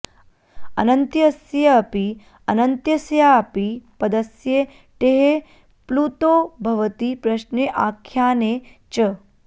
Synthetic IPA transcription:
ɐ̰nɐnt̪jɐɐsjɐɐpi | ɐnɐnt̪jɐsjaːpipɐd̪ɐsje | ʈeɦe | pluːt̪oːbʱɐʋɐt̪ipɾɐʃneʔaːkʰjaːnet͡ʃɐ

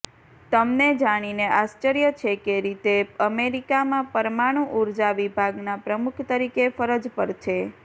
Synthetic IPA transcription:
t̪əmned͡ʒaɽ̃ineʔast͡ʃəɾjət͡ʃʰekeɾit̪eəmeɾikamãpəɾmaɽ̃ũʔuɾd͡ʒaʋibʱaɡnapɾəmukʰt̪əɾikefəɾəd͡ʒpəɾt͡ʃʰe

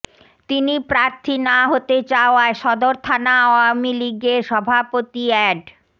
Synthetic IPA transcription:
t̪inipɾaɾt̪ʰinaɦot̪et͡ɕaoaeʃɔd̪oɾt̪ʰanaɔamiliɡeɾʃɔbʱapot̪iɛɖ

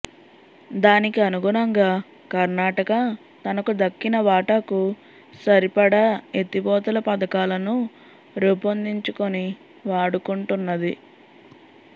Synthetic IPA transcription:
d̪aːnikiɐnuɡunɐŋɡaː | kɐɾnaːʈɐkɐ | t̪ɐnɐkud̪ɐkːinɐʋaːʈɐku | sɐɾipɐɽɐet̪ibɔːt̪ɐlɐpɐd̪ɐkaːlɐnu | ɾupɐnd̪iɲt͡ʃukoni | ʋaːɽukuɳʈunːɐd̪i

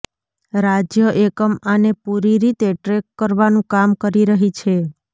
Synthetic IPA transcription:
ɾad͡ʒjəʔekəmanepuɾiɾit̪eʈɾekːəɾʋanũkamkəɾiɾəɦit͡ʃʰe

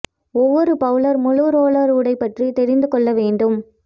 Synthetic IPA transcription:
ɔʋːɔɾɯpɐʋɯɭɐɾmʊɻɯɾoːɭɐɾɯɽɐɪpːɐʈrit̪ɛɾɪnd̪ɯkɔɭːɐʋeːɳɖɯm

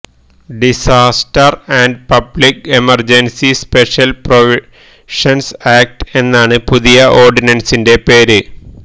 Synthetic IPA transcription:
ɖisaːstɐrɐɳɖpɐblikemɐrd͡ʑensispeʂɐlproʋi | ʂɐnsaːk̚ʈe̞nːaːɳɨpuðijɐʔoːrɖinɐnsinde̞peːɾɨ

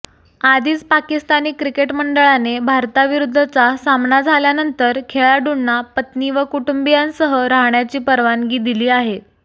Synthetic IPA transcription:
ad̪ʱiːt͡spakist̪aniːkɾikeʈməɳɖəɭanebʱaɾt̪aʋiɾud̪ʱːət͡sasamnad͡zʱaljanənt̪əɾkʰeɭaɖuɳnapət̪niʋəkuʈumbijansəɦəɾaɦɳjat͡ɕiːpəɾʋanɡiːd̪iliːaɦe

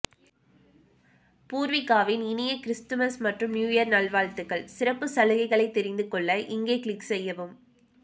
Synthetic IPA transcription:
puːɾʋɪkːaːʋɪnɪnɪjɐkɪɾɪst̪ɯmɐɾsmɐʈrɯmnjuːjɐɾnɐlʋaːɻt̪ɯɣɐɭsɪrɐpːɯsɐlɯɣɐɪɣɐɭɐɪt̪ːɛɾɪnd̪ɯkɔɭːɐʔɪŋɡeːkɪɭɪksɛjːɐʋɯm

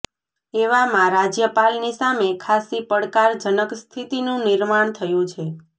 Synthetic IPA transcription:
eʋamãɾad͡ʒjəpalnisamekʰasipəɽkaɾd͡ʒənəkst̪ʰit̪inũnɪɾmaɳt̪ʰəjũt͡ʃʰe

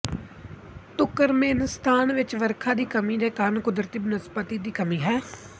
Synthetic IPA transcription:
t̪ʊkəɾmeːnst̪ʰaːnʋɪt͡ʃʋəɾkʰaːd̪iːkəmiːd̪eːkaɾnkʊd̪ɾət̪iːbnəspət̪iːd̪iːkəmĩːɦɛː

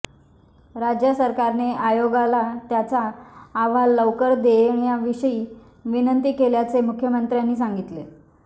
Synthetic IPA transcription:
ɾad͡ʑjasəɾkaɾneʔajoɡalat̪jat͡saːʋalːəwkəɾd̪eɳ̃ijaʋiɕəiː | ʋinənt̪iːkeljat͡semukʰjəmənt̪ɾjanːiːs̬aŋɡit̪le

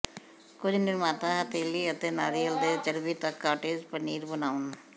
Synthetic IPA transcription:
kʊd͡ʒnɪɾmaːt̪ãːɦət̪eːliət̪enaːɾiəld̪eːt͡ʃəɾbiːt̪ɐkːaːʈeːd͡ʒpəniːɾbənaːʊn

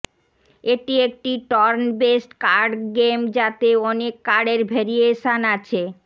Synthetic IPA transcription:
eʈiek̚ʈiʈɔɾnbesʈkaɾɖɡemd͡ʑat̪eɔnekːaɽeɾbʱeɾieʃanat͡ɕʰe

